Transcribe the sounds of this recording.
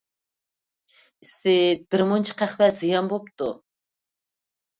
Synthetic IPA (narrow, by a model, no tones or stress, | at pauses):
ɪsɪb̥ɪɾmont͡ʃʰi̥qæχvɛzɨjɑnbop̚t̪u